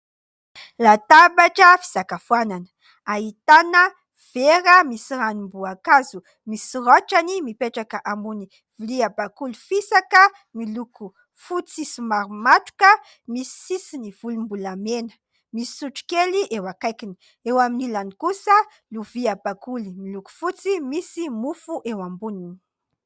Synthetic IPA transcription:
lat̪abaʈ͡ʂəfi̥z̥akafwananə̥ | aɦit̪anə | v̥eɾəmisiranumbuakazu | misiraʈ͡ʂanimipeʈ͡ʂakəʔambuni | viliabakulu̥fisakə | miluku | fut͡sisimaɾumaʈ͡ʂu̥kə | misi̥sisiniv̥ulumbulamenə̥ | misi̥suʈ͡ʂu̥keliʔewakajkini̥ | ewaminilanikusə | luviabakulimiluku̥fut͡simisimufuʔewambunini̥

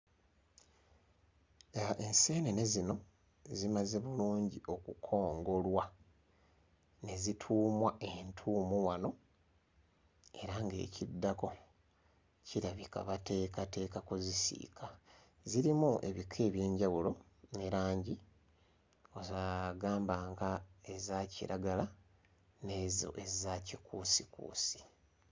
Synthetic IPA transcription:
ʔense̞ːnene̞zino̞ | zimazeβuluːɲɟio̞kukʰo̞ːŋɡo̞lwa | ne̞zitʰuːmwae̞ntʰuːmuwano̞ | e̞ɾaŋɡe̞̰ːcidːako̞ | ciɾaβika̰βate̞ːkate̞ːkakozisḭːkʰa | ziɾimuʔe̞̰βikʰe̞ːβje̞ːɲɟawulo̞ | ne̞ɾaːɲɟi | o̞zaːɡaːmbaŋɡae̞zacḭɾaɡala | ne̞zo̞̰ʔe̞zacikuːsikṵːsi̥

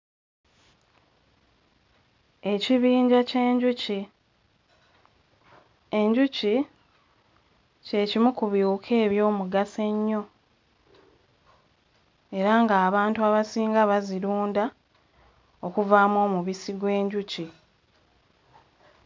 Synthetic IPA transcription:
e̞ciβiːɲɟace̞ːɲɟuci | eɲɟuci | ce̞cimukuβjuːkʰe̞ːβjo̞ːmuɡase̞ɲːo̞ | e̞ɾaŋɡaːβaːntuaβasiːŋɡaβaziɾuːnda | o̞kuvaːmo̞ːmuβisiɡwe̞ːɲɟuci

